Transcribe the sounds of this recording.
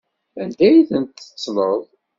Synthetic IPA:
ænd̪æjiθənt̪ːə̥t͡sːləðˤ

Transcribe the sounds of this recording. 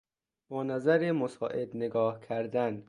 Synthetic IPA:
bɒːnæzæɾemosɒ̰ːʔed̪neɡɒːhkʰæɾd̪æn

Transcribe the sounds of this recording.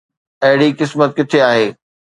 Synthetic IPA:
ɐɦɪɽikɪsmət̪̚kɪt̪ʰeaːɦeː

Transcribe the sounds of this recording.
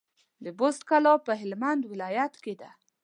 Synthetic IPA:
d̪əbost̪kalɑpəɦɪlmand̪wɪlɑjat̪ked̪a

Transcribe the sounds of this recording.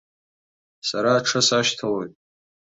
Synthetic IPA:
saɾaːʈ͡ʂʰasaʃtʰawejtʼ

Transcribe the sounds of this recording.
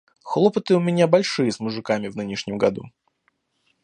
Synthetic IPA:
xlˠopət̪ɨʊmʲɪnʲabɐlʲʂɨjəsmʊʐɨkamʲɪvnɨnʲɪʂnʲɪmɡɐd̪ṵ

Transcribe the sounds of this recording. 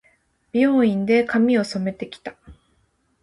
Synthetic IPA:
b̥ʲiõĩnd̪e̞kamʲio̞so̞me̞t̪e̞kʲi̥t̪ḁ

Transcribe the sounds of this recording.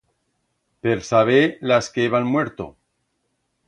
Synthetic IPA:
peɾsaβ̞elaskeeβanmwe̞ɾt̪o̰

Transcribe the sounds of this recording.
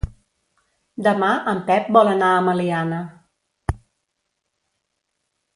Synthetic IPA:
d̪əmaʔəmpɛp̚bɔlənaəməlianə

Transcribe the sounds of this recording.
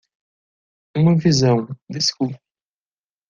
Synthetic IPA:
ũmɐvizɐ̃w̃d̪ɪsku

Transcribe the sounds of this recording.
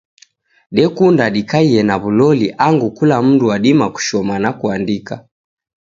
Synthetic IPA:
ɗɛkundaɗikaiɛnaβulɔliʔaŋɡukulam̩nduaɗimaku̥ʃɔmanakuandika

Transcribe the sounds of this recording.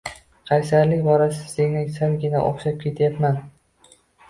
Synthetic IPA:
qʰɑjsaɾlɪkʲbɒɾasɪ̥seŋnɪŋsamɡʲɪna̰ʔo̰χʃap̚kʲʰe̞t̪ʰjapman

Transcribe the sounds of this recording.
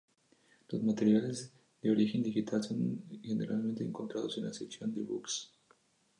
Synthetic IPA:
lozmat̪eɾjalez | d̪eo̞ɾixend̪ixit̪ʰalsoŋxenḛɾʔa̰lment̪eːŋko̞nt̪ɾaðosenlaseksjo̞nd̪eβṵks

